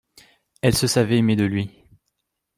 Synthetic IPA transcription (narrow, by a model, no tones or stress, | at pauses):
ɛlsəsavɛːmed̪əlɥi